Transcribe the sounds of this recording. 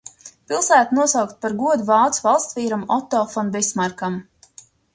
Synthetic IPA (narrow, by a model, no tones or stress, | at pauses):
pilˠsæːt̪unuɔsawkt̪̚paɾɡuɔd̪uvɑːt̪svɑlˠst̪viːɾamɔt̪ɔːfɔnbɛsmaɾkam